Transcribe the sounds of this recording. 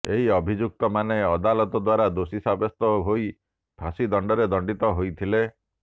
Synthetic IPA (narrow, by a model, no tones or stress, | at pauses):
eɦiɔbʱid͡ʒuk̚t̪ɔmaneɔd̪alɔt̪ɔd̪waɾad̪osisabɔst̪ɔɦoi | b̥ʰʱasid̪ɔɳɖɔɾed̪ɔɳɖit̪ɔɦojt̪ʰile